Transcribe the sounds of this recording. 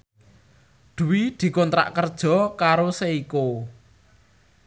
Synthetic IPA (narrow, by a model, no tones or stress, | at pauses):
ɖ̪̥ṳwid̪̥i̤kɔnt̪ɾa̰ʔkərd̥ʒ̥ɔ̤kaɾoseiko